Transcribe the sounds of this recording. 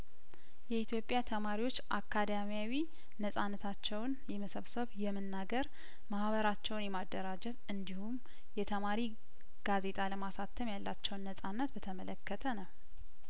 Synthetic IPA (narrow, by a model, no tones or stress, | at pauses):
jɛit̪jo̞pʼːjat̪ʰəmaɾiwo̞t͡ʃːʔa̰kʰːad̪amijawi | nəsʼanːət̪ʰat͡ʃːɛwnjɛməsəβsəβjɛmɨnːaɡəɾ | mahβəɾat͡ʃːɛwnjɛmad̪ːəɾad͡ʒɛt̪ɨnd̪ihum | jɛt̪ʰəmaɾi | ɡ̥aze̞t̪ʼaləmasat̪ʰːəmjalːat͡ʃːɛwnːəsʼanːət̪bət̪ʰəmələkːət̪ʰənəw